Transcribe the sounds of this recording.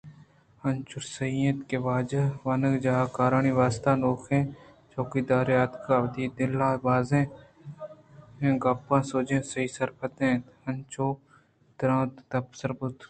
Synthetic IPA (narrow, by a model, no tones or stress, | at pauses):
hɐnt͡ʃʊɾsɐĩːət̪keʋaːd͡ʒəʋɐnəɡd͡ʒaɦaːkaːɾaːɳiːʋaːst̪aːnoːkʰẽː | t͡ʃoːkiːd̪aːɾeaːt̪kaɐbd̪iːd̪ɪlaːbaːzẽː | ɦẽːɡɐpːãːsoːd͡ʒẽːsɐiːsɐɾpʰət̪ẽː | ɐnt͡ʃoː | d̪̥ɾãːt̪t̪ɐpsəɾbʊt̪